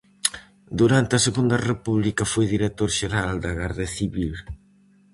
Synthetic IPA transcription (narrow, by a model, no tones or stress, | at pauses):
d̪uɾant̪ɪɐseɣund̪ɐrepuβlikɐfojðiɾet̪oɾʃeɾald̪ɐɣaɾðɐθiβil